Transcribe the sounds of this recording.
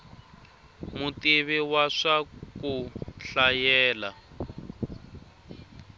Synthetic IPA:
mutiβiwaʂakuɬajɛːla

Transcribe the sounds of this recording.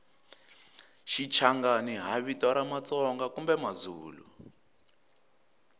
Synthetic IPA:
ʃit͡ʃʰaŋɡaniɦaβitɔɾamat͡sɔŋɡakumbɛmazuːlṵ

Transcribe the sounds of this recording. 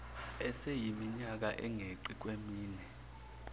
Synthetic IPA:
ɛsejimiɲak̬aʔɛŋʱeǃik̬ʼwemiːnɛ

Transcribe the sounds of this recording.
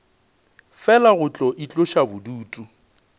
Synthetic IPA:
fɛlaɣʊt͡ɬʼɔʔit͡ɬʼʊʃabʊduːtʼu

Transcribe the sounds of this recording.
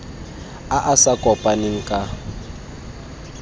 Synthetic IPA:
aʔasakʼɔpʼaneŋ̩kʼa

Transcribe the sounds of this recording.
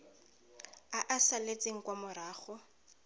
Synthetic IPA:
aʔasalet͡sʼeŋ̩kwamʊɾaːχɔ

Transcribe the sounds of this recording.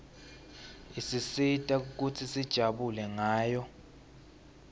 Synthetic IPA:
isisitʼauk̬utʰisid̥ʒ̥ʱaɓulɛŋaːjɔ

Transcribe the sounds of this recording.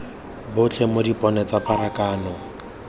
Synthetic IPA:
bʊt͡ɬʰɛmodipʼɔnɛt͡sapʼaɾakʼaːnɔ

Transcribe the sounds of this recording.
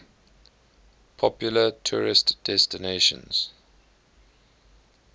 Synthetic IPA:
pʰɔpjulətʰuːɹɪstd̥ɛstɪneʃə̰̃nz̥

